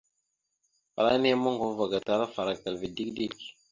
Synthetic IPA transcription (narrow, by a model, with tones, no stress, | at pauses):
fa̰˨ɾa˦ni˦ja˦ma˦ŋɡo˨˦va˨ɡa˨ta˨ɾa˦fa˨ɾa˨ka˨lvi˨di˦kdi˦˨k̚